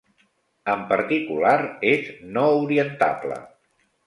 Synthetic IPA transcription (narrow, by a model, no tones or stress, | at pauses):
əmpəɾt̪ikulaɾeznɔuɾiənt̪a̰plə̰